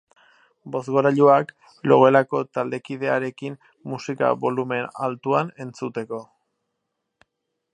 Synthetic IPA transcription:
bo̞zɣo̞ɾaʎuak | lo̞ɣelako̞t̪ald̪e̞kiðe̞aɾe̞kim | musika̰βo̞lume̞na̰lt̪uane̞nt͡sut̪e̞ko̞

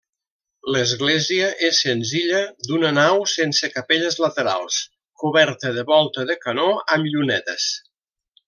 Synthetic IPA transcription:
ləzɣlɛziəʔesːənziʎəd̪unənawsensəkəpeʎəzlət̪əɾa̰lˠs | kuβɛɾt̪əðəβɔlˠt̪əðəkənoəmʎunɛt̪əs

